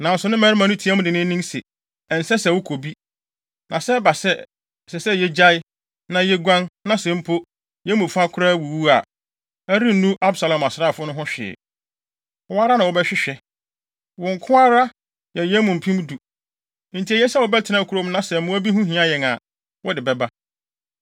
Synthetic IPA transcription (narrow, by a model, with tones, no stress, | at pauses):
nã˨n˨sʊ˨nʊ̃˦mɛ̃˨ɾɪ˦mã˨nʊ̃˦tʰi˦ɛ˦mʊ̃˦dɪ˨nɪ̃˦nĩ˦sɛ˨ | ɛ˨n̩˨sɛ˦sɛ˨wʊ˦kʰo˨bi˦ | nã˨sɛ˦ba˨sɛ˦ | sɛ˨sɛ˦jɛ˦d͡ʑa˦ɪ˦ | nã˨jɛ˦ɡʷã˦nnã˦sɛ̃˦m̩˦pʰo˦ | jɛ˦mũ˨fu˦a˦kʰʊ˦ɾaː˦˨wu˨wu˦a̰˨ | æ˦ɾĩ˦n̩˨nũ˦ʔa˦bsa˨lã˨ma˨sa˦˨fʊ˦nʊ̃˦ɦʊ̃˦ɕᶣɪ̰˨ | wɔ˦a˦ɾa˦nã˨wɔ˨bɛ˦ɕᶣɪ˦ɕᶣɛ˨ | wʊ̃˨ŋ̩˨kʰʊ̃˦a˦ɾa˦ | jɛ˨jɛ˦mʊ̃˨m̩˨pʰĩ˦m˦du˨ | n̩˨tʰi˨æ˨jɛ˦sɛ˦wɔ˨bɛ˦tʰɪ˨nã˦˨kʰu˦ɾo˦m˦nã˦sɛ˨mʊ̃˦bi˦ɦũ˦ɦĩ˦a˦jɛ˨ŋã˨ | wɔ˦dɪ˨bɛ˦ba˦